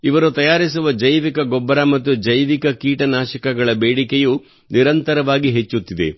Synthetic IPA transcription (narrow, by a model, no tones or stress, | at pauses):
iʋɐɾut̪ɐjaːɾis̬uʋɐd͡ʒɐjʋikɐɡɔbːɐɾamɐt̪ːud͡ʒɐjʋikɐkiːʈɐnaːʃɐkɐɡɐɭɐbeːɽikeju | niɾɐnt̪ɐɾɐʋaːɡiɦet͡ʃːut̪ːid̪ḛ